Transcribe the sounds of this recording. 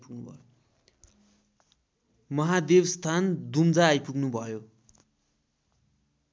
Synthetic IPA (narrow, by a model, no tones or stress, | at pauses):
puɡnubʱʌ̰jo | mʌɦad̪ebst̪ʰand̪umd͡zaːjpuɡnubʱʌjo